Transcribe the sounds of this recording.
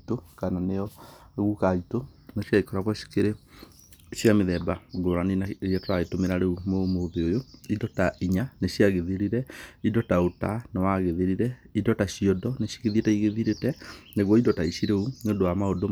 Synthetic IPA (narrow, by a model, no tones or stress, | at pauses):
tokananeɔɣukaitonaɕiaikɔɾaɣɔɕi̥keɾe | ɕiameðɛbaɡoɾaninaɛtoɾaɣetomeɾaɾeumomoðeojoidɔtaiɲaneɕjaɣeðiɾiɾɛidɔtaotanawaɣeðeɾiɾɛidɔtaɕiɔdɔneɕi̥ɣeðietɛiɣeðiɾetɛneɣwɔidɔtaiɕiɾeuneondoamaodo